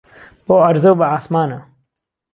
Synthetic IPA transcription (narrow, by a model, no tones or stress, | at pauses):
boːɐɾzowbɐaːsmaːnɐ